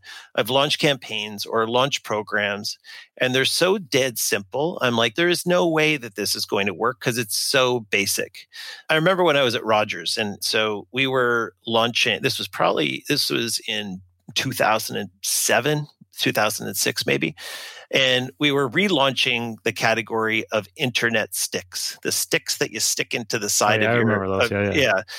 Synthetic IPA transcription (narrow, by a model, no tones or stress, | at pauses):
ʔaɪvlɑ̃nt͡ʃkʰæ̃mpʰẽɪ̃nzə˞lɑ̃nt͡ʃpʰɹ̥oʊɡɹæ̃mz̥ʔɨ̃nðə˞z̥soʊdɛd̥sɪ̃mpl̩ˠã̰ɪ̃mlaɪk̚ðə˞ɨznoʊweɪðɨt̪̚ðɪsɨzɡoʊɪ̃ŋtʰəwɜ˞kʰʌzɨtsoʊbeɪsɪ̰kaɪɹɨmɛ̃mbə˞wə̃ñaɪwʌzɨʔ̚ɹɑd͡ʒə˞z̥ɨ̃nsoʊwiwə˞lɑ̃nt͡ʃɪ̃ŋðɪswʌz̥pʰɹ̥ɑ̰bə̰blḭðɪswʌ̰zɪ̃n | tʰʉθa̰ʊz̃n̩dɨ̃nsɛvɨ̃ntʰʉθaʊz̃n̩dɨ̰̃n̩sɪ̰ksmḛɪbḭʔɨ̃nwiwə˞ɹilɔ̃nt͡ʃɪ̃ŋðɨkʰæɾɨɡɔɹiʔʌvɪ̃ntʰə˞nɛtstɪksðɨstɪksðɨt͡ʃɨstɪkɪ̃ntʉðɨsaɪɾʌvjə˞ʌjæ